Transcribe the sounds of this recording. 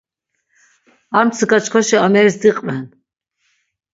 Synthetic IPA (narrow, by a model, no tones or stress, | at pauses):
amt͡sʰəɡat͡ʃkʰɔʃiamɛɾisd̪iqʼvɛn